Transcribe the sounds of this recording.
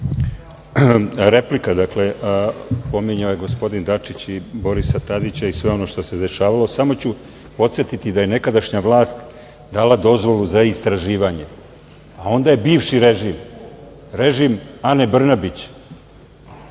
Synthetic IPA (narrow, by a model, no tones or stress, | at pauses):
ɾe̞plikad̪akle̞ | po̞miɲaojeɡo̞spo̞d̪ind̪at͡ʂit͡ɕibo̞ɾisat̪ad̪it͡ɕaisʋe̞o̞no̞ʃt̪o̞se̞d̪e̞ʃaːʋalˠo̞samo̞t͡ɕu | po̞t̪sje̞t̪it̪id̪aje̞ne̞kad̪aʃɲaʋlˠaːst̪ | d̪aːlad̪o̞zʋo̞luzaist̪ɾaʒiːʋaɲe̞ | ao̞nd̪aje̞biːʋʃiɾe̞ʒim | ɾe̞ʒimanebr̩nabit͡ɕ